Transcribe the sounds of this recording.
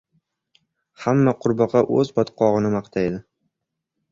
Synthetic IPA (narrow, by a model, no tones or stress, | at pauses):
hamːaqʰʊɾbɒqɑʔɵzbɒt̪qʰɒʁɨnɪmɑqt̪ʰajd̪ɪ